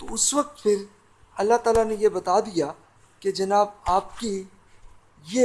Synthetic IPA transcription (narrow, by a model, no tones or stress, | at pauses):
t̪oʊsʋɐk̚t̪fʰɪɾ | ɐlːaɦt̪aːlanejebɐt̪ad̪ija | ked͡ʒɐnaːbaːp̚ki | je